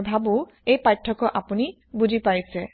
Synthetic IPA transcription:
bʱabo | ejpajʈʰːɔkɔʔapuni | bud͡ʒʱipaɹjse

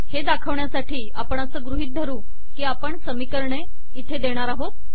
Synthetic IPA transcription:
hed̪akʰəʋɳjasaʈʰiːapəɳasəːɡɾuɦiːt̪̚d̪ʱəɾuː | kiːapəɳsəmikəɾɳe | it̪ʰed̪eɽ̃aɾaɦot̪̚

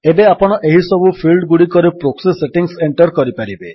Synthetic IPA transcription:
ebeapɔɽ̃ɔʔeɦisɔbupʰilɖɡuɽikɔɾepɾokseseʈiŋseɳʈɔɾkɔɾipaɾibe

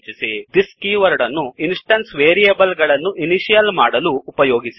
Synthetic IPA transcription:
t͡ʃisid̪iskiːʋɐɾɖɐnːuinsʈɐnsʋeːɾijeːbɐlɡɐɭɐnːuʔiniʃijɐlmaːɽɐluːpɐjoːɡisi̥

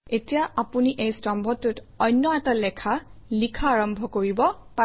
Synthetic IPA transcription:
etijaapuniʔejstɔmbʱɔtːʊt | ɔjnːɔɛtalɛkʰalikʰaːɹɔmbʱɔkoɹibɔpa

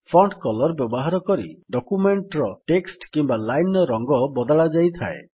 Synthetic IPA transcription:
fpʰɔɳɖkɔlɔɾbjɔbɔɦaɾɔkɔɾḭɖɔkumeɳʈɾɔʈeksʈkimbalajnɔɾɔŋɡɔbɔd̪ɔɭad͡ʒajt̪ʰa̰e

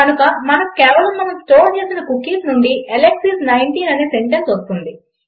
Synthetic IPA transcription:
ɐnukɐmɐnɐkkɛːʋɐlɐmːɐnɐmsʈoːɾt͡ʃeːsinɐkukːiːsnuɳɖiʔeleksisnɐjɳʈiːnɐneːse̞ɳʈɐnsʋost̪und̪i

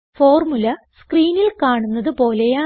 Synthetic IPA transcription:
fo̞ːrmulɐ | skriːnilkaːɳunːɐðɨpo̞ːle̞jaː

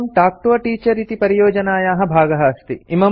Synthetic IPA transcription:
mʈaːk̚ʈuʋɐʈiːt͡ʃɐɾit̪ipɐɾijoːd͡ʒɐnaːjaːɦɐbʱaːɡɐɦɐɐst̪iimɐ

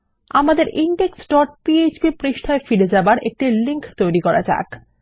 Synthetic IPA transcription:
amad̪eɾiɳɖeksɖɔʈ̚pied͡ʑbipɾiʃʈʰaefiɽed͡ʑabaɾʔek̚ʈiliŋkt̪ojɾikɔɾa̰d͡ʑa̰k

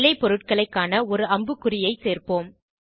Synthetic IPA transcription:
lɐɪpːɔɾɯʈ̚kɐɭɐɪkːaːnɐɔɾɯɐmbɯkːʊɾɪjɐɪseːrpoːm

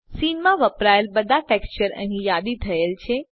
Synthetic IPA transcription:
sinmãʋəpɾajəlbəd̪ʱaʈekst͡ʃəɾə̰̃ɦĩjad̪it̪ʰəelt͡ʃʰe

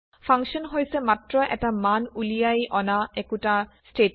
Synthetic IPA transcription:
fʰaŋkʃɔnɦojsɛmatɹɔʔɛ̰tamanulijajʔɔnaɛkutasʈe

